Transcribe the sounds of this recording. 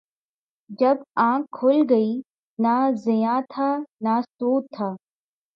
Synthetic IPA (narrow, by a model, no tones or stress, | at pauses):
d͡ʒɐbãːkʰːʊlɡɐiː | nazɪjãːt̪ʰaːnasoːt̪ʰːaː